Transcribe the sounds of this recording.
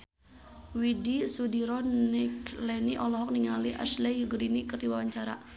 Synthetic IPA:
widisudiɾɔniklɛniʔɔlɔɦɔk̚niŋaliʔa̰ʃlɛjuɡɾinikərdiwawaɲt͡ʃaɾa̰

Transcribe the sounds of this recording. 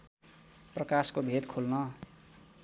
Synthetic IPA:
prʌkaskobʱet̪kʰolnʌ

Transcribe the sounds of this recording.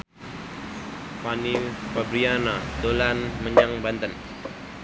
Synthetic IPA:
fanifabɾianad̪olanməɲaŋbant̪ən

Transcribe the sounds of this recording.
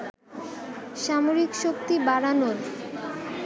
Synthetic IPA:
ʃamoɾikʃok̚t̪ibaɾanol

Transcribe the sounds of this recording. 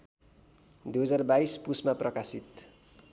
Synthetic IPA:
d̪ujɦʌd͡zarbajspusmaprʌkasit̪

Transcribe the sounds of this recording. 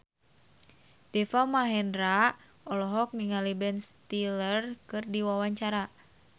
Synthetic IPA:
d̥ɛfamaɦɛnɾa | ɔlɔɦɔk̚niŋalibɛnst̪ilərkɨrdiwawaɲt͡ʃaɾa

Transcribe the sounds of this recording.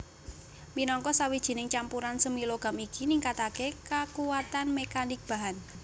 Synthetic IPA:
minɔŋkɔsawid̥ʒ̥i̤nɪŋt͡ʃampuɾansəmiloɡ̥a̤mikiniŋkat̪akekakuwat̪anmekanɪk̚b̥a̤ɦan

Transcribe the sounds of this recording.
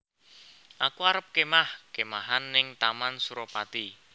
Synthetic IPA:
ʔakuaɾəp̚kemahkemaɦanːɪŋt̪amansuɾopat̪i

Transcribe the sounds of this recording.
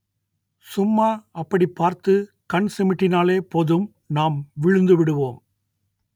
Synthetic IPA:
sʊmːaːɐpːɐɽipːaːɾt̪ɯ | kɐɳsɪmɪʈːɪnaːleːpɔðɯm | naːmʋɪɻɯnd̪ɯʋɪɽɯʋoːm

